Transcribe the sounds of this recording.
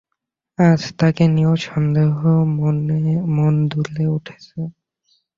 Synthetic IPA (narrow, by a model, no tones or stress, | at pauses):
ad͡ʑt̪akenioʃɔnd̪eɦo | mond̪uleuʈʰe̥t͡ɕʰe